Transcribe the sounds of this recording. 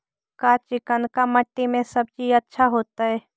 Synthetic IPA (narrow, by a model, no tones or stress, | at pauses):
kat͡ʃɪkənkaməʈːimẽsɐb̚d͡ʒiətːʃʰaɦoːt̪aɦɛː